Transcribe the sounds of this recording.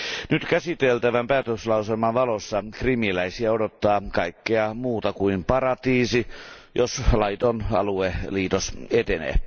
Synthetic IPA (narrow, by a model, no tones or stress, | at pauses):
nyt̪kæsit̪elt̪æʋæmpæːt̪øslɑuselmɑnʋɑlosːɑkrimilæisiæodot̪ːɑːkɑikːeɑmuːt̪ɑkuimpɑɾɑt̪iːsijoslɑit̪onɑ̰lueliːt̪oset̪enḛː